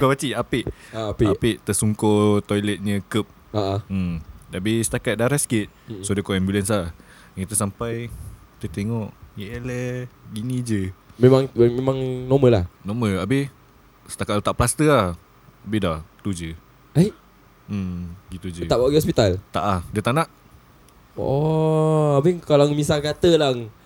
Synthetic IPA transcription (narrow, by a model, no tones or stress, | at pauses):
kobat͡ʃiapɪʔaapiapɪʔt̪əsuŋkot̪ojlɛt̪̚ɲə̃kəp̚ | aʔaəmdaabɪsə̥t̪akat̪̚daɾaskit̪̚sodəkoɛmbiulɛnsa | ŋkit̪əsampajki̥t̪ət̪eŋɔʔjɛləɡinĩd͡ʒəmemãŋmemãŋnoməlahnoməabɪh | sə̥t̪akaʔt̪aʔplast̪əa | abidat̪ud͡ʒə | aj | ɡit̪ud͡ʒəaʔaʔɡɔspit̪alt̪a̰ʔahdət̪anaʔ | ɔ | abɪŋkalaŋmisakat̪əlaŋ